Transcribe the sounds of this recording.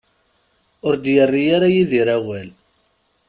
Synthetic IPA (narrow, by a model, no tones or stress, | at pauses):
ʊɾd̪jərːijaɾajiðiɾæwæl